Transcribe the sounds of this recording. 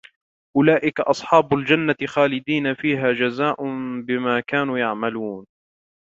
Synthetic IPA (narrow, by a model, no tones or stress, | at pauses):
ʔʊlaːʔɪkaʔɑsˤħɑːbʊld͡ʒanːaɪxaːlɪd̪iːnafiːɦaːd͡ʒazaːʔʊbɪmaːkaːnuːjaʕmaluːn